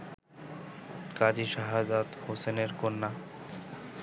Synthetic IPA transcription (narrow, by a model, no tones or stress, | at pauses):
kad͡ʑiʃaɦad͡ʑat̪hoseneɾkonːa